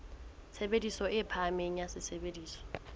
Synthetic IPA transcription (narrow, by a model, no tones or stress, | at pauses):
t͡sʰebedisɔʔɪpʰameɲ̩asɪsʰebediːsɔ̥